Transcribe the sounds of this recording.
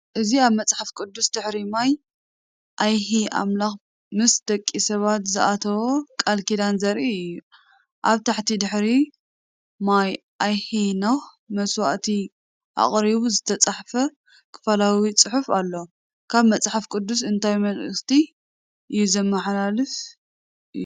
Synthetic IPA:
ʔɨziaβmɐt͡sʼħafkʼɨd̪ːusd̪ɨħɾimaj | ʔajhiʔa̰mlax | mɨsd̪̥ɐkʼːisɐβat̪zɨʔat̪ʰɐwokʼalkid̪anzɐɾiɨju | ʔaβt̪ʰaħt̪ʰid̪ɨħɾi | maj | ʔajhinox | mɐswa̰ʔt̪ʰi | ʔa̰χʼɾiβuzɨt̪ʰɐt͡sʼaħfɐ | kʰɨ̥fɐlawit͡sʼɨħufalːo | kʰaβmɐt͡sʼħafkʼɨd̪ːus̬ɨnt̪ʰajmɐlɨst̪ʰi | ʔɨjːuzɐmːɐħlalɨf | ʔɨju

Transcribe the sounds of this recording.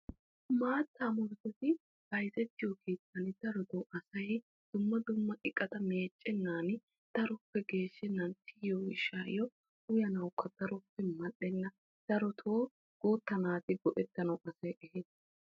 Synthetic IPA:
maːt̪ːamɔɾt̪ɛt̪ɪ | b̥ɐjzɛt̪ːɪjɔkeːt͡sːɐnɪd̪̥ɐɾɔd̪ɔʔɐsɐj | d̪̥ʊmːɐd̪ʊmːɐʔɪkʼːɐt̪ɐme̞ːt͡ʃʼːɛnːaːnɪ | t̪ɐɾɔpːɛɡe̞ːʃːɛnːɐnt̪ːɪjɔɪʃaːjɔ | ʊjɐnɐwʊkːɐd̪̥ɐɾɔpːɛmɐɗːɛnːɐ | d̪̥ɐɾɔt̪ʰoː | ɡ̥uːt̪ːɐnaːt̪ɪɡɔʔɛt̪ːɐnɐwʔɐsɐjʔɛheːs

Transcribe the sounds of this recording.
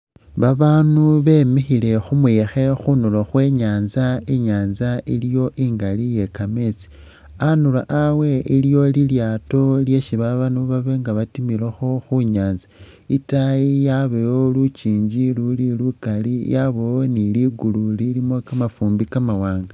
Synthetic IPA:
βaβaːnuβe̞mixile̞xumuxe̞xunuloxwe̞ːɲaːnzaiɲaːnzailijo̞ʔiːŋɡalije̞kamet͡si̥ | anulaʔawe̞iljo̞liljaːto̞lje̞ʃiβaβanuβaβe̞ŋɡaβatimiɾexoxuɲaːnza | itaijaβeolut͡ʃiːɲd͡ʒilulilukalijaβowoniliɡululilimo̞kamafuːmbikamawaːŋɡa

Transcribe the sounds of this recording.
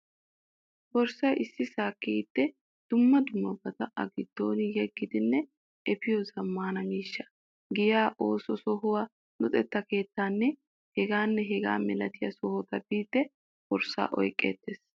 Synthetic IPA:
bɔɾsɐʔɪsːɪsaːkːiːd̪̥ːɛ | d̪̥ʊmːɐd̪ʊmːɐbɐt̪ɐʔɐ̰ɡɪd̪̥ːo̞̰ːnɪjɛɡːɪd̪ɪnːɛ | ɛpɪjɔzɐmːaːnɐmiːʃːɐ | ɡɪjaːʔo̞ːsɔsɔɦʊwaː | nɔt̪ʼɛt̪ːɐke̞ːt̪ːaːnːɛ | hɛɡaːnːɛɦɛɡa̰ːmɛlɐt̪ɪjɐsɔhɔt̪ɐbiːt̪ːɛ | b̥ɔɾsːa̰ːʔɔ̰jkʼːḛːt̪ːeːs

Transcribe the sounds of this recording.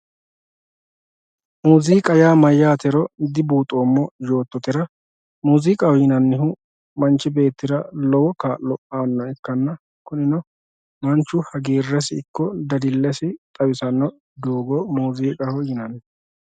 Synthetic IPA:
muːziːkʼɐjaːmɐjːaːt̪ɛɾɔd̪ɪbuːt̪ʼoːmːɔjo̞ːt̪ːɔt̪ɪɾɐ | muːziːkʼɐhɔjɪnɐnːɪɦʊ | mɐnt͡ʃːɪbe̞ːt̪ːɪɾɐlɔwɔkaːllɔʔaːnːɔɪkːɐnːɐ | kʊnɪnɔ | mɐnt͡ʃːʊhɐɡeːrːɛs̬ɪɪkːɔd̪ɐd̪ɪlːɛsɪt̪ʼɐwɪsɐnːɔ | d̪oːɡɔmuːziːkʼɐhʊjɪnɐn

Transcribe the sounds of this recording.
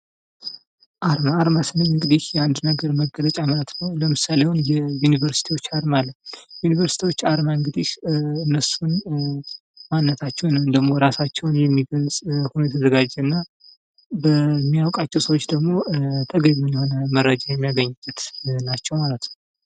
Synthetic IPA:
ʔaɾmaːɾmasənəɨŋɡɨd̪ihjɛand̪nəɡəɾməɡːələt͡ʃʼamələt̪nəwləmɨsalewunjɛjunivəɾsi̥t̪ʰiwot͡ʃːaɾmalːəjunivəɾsit̪iwot͡ʃːaɾmaɨŋɡɨd̪iʃɨnːəsun | manːət̪ʰat͡ʃːɛwnɨnd̪əɡmo̞ɾasat͡ʃːɛwnjɛmːiɡəlzʼhunjɛt̪ʰəzəɡad͡ʒɛɨnːa | bəmːijawkʼat͡ʃːɛwsəwot͡ʃːd̪əɡmo̞t̪ʰəɡəɲːunjɛho̞nəməɾːəd͡ʒajɛmːijaɡəɲːɨbːət̪nat͡ʃːɛwmalət̪nəww

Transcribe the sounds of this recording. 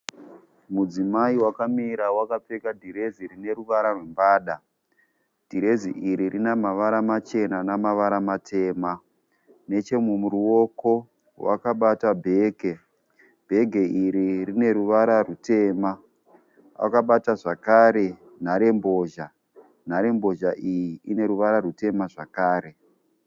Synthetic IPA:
mud͡zimaiwakamiɾawakap͡fekadʱiɾe̞zirine̞ɾuʋaɾarwe̞mbaːɗa | d̥ʱiɾe̞ziʔiɾirinamaʋaɾamat͡ʃe̞nanamaʋaɾamatʰe̞ːma | ne̞t͡ʃe̞mumuɾuo̞ko | wa̰kaɓatabʱe̞ːɡʱe | bʱe̞ɡʱe̞iɾirine̞ɾuʋaɾarute̞ːma | a̰kaɓataʐakaɾe̞ | n̤aɾe̞mbo̞ːʒa | n̤aɾe̞mbo̞ʒaʔijiine̞ɾuʋaɾaɾute̞maʐakaːɾe̞

